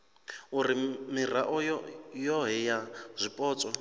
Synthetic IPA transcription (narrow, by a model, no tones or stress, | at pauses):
uɾimir̤aʔɔjɔjɔɦɛjaz̥ʷipʼɔːt͡sʼɔ